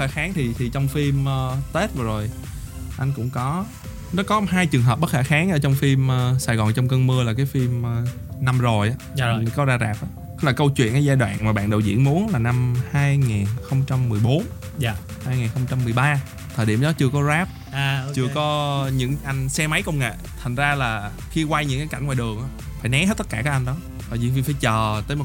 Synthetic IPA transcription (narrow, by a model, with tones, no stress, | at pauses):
xaː˧˩xaː˨˦ŋt̪ʰi˨˩t̪ʰi˨˩t͡ɕɔ˧wŋ͡mfi˧mʔəː˧t̪e˦˥t̚vaː˨˩zo˨˩j | ʔa˧jŋ̟kʊ̰˧˥ŋ͡mkɔ˨˦ | nɔ˨˦kɔ˨˦ɦaː˧jt͡ɕɨ˨˩əŋɦəː˨˩p̚ɓə˦˥t̚xaː˧˩xaː˨˦ŋʔə̰˧˩t͡ɕɔ˧wŋ͡mfi˧mʔəː˧sa˧˩jɣɔ˨˩nt͡ɕɔ˧wŋ͡mkə˧nmɨ˧əlaː˨˩kaː˨˦jfi˧mə˧˩ | na˧mzo˨˩jʔaː˨˦˨kɔ˨˦zaː˧zaː˨˩p̚ʔaː˨˦˨laː˨˩kə˧wt͡ɕwḭ˧˨nʔa˧˩˦zaː˧jɗwa̰ː˧˨nmaː˨˩ɓa̰ː˧˨nɗə˨˩wzḭ˧˥ənmu˨˦ənlaː˨˩na˧mhaː˧jŋaː˨˩nxə˧wŋ͡mt͡ɕa˧mːɨ˨˩əjɓo˨˦n | haː˧jŋa˨˩nxə˧wŋ͡mt͡ɕa˧mːɨ˨˩əjɓaː˧ | t̪ʰəː˨˩jɗḭ˧˩əmɗɔ˨˦t͡ɕɨ˧əkɔ˨˦zaː˦˥p̚ː | t͡ɕɨ˧əkɔ˨˦ɲɨ̰˧˥ŋʔa˧jŋ̟sɛ˧ma˨˦jkə˧wŋ͡mŋa̰˧˨ | t̪ʰa˨˩ŋ̟zaː˧laː˨˩ | xi˧kwa˧jɲɨ̰˧˥ŋkaː˨˦jka˧˩ŋ̟ŋw̰aː˧˨ɗɨ˨˩əŋʔaː˧˦faː˧˩jnɛ˨˦he˦˥t̚t̪ə˦˥t̚kaː˧˩kaː˨˦k̚ʔjŋɗɔ˨˦ | t̪ʰaː˨˩jzḭ˧˥˩nfi˧mfaː˧˦jt͡ɕəː˨˩t̪əː˨˦jmo˨˩